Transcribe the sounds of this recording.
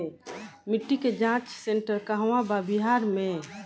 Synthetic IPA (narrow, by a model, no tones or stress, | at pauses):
mɪʈːiked͡ʒãt͡ʃseɳʈəɾkaɦwababiɦaːɾmẽ